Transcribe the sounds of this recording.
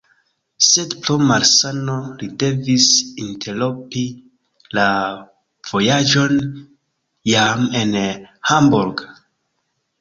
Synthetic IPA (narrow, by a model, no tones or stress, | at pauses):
se̞dplomaɾsano̞lide̞visintʰelopi | la | v̥o̞jad͡ʒo̞n | jame̞nhambuɾɡ